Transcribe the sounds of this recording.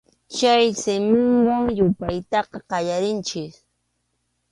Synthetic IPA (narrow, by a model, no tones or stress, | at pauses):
t͡ʃajsɪmʊŋwaŋjʊpajt̪ɑqɑqɑjaɾɪnt͡ʃɪk